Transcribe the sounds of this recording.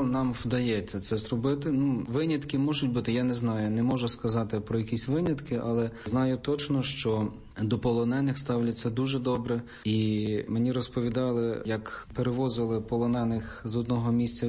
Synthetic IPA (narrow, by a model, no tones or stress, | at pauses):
lˠnɑmwd̪ɐjɛt͡sʲːɐt̪sɛzrɔbɪt̪ɪnuʋɪnʲɐt̪kɪmɔʒʊtʲbut̪ɪjanɛznɑjʊnɛmɔʒʊskɐzɑt̪ɪpɾɔjɐkʲisʲʋɪnʲɐt̪kɪʔɑlˠɛznɑjʊt̪ɔt͡ʃnɔʃt͡ʃɔ | d̪ɔpɔlˠɔnɛnɪxst̪ɑwlʲɐt͡sʲːɐd̪uʒɛd̪ɔbɾɛ | imenʲiɾɔspɔʋʲid̪ɑlˠɪjɐkpeɾeʋɔzɪlˠɪpɔlˠɔnɛnɪxzɔd̪̚nɔɦɔmʲisʲt͡sʲɐ